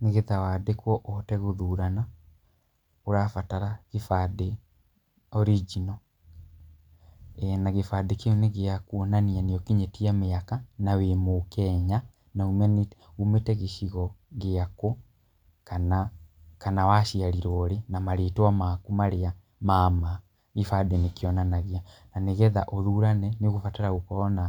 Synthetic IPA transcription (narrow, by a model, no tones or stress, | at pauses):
neɣeðawadekwɔʔɔtɛɣoðuːɾana | oɾafataɾaɣefade | ɔɾid͡ʒinɔ | ɛnaɣefadekeoneɣeakunanianeɔkeɲetiameakanawemokɛːɲa | naumɛni | ɣumetɛɣeʃiɣɔɣeako | kana | kanawaʃiaɾiɾɔːɾenamaɾeːtɔamakumaɾea | mama | ɣifadɛnekjɔnanaɣiananeɣɛða̰ʔɔɾuɾanɛnioɣufataɾaɣukɔːna